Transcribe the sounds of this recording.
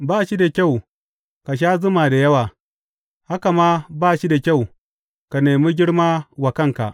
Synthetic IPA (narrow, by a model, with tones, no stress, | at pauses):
baː˦˨ʃi˦da˨kʲa˦˨w | ka˨ʃ̬aː˦zʊ˦ma˨da˨jɐ˦waː˨ | ha˦ka˨maː˦baː˦˨ʃi˦da˨kʲa˦˨w | ka˨neː˨miː˦ɡʲɪ˦ɽmaː˦wa˨kɐ˦˨ŋka̰˨ʔ